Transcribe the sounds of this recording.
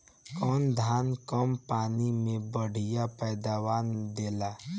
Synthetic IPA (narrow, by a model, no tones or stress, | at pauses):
kɔːnd̪ʱaːnkəmpaːnimẽbəɽ̤ijapɛːd̪aːwaːnd̪eːlaː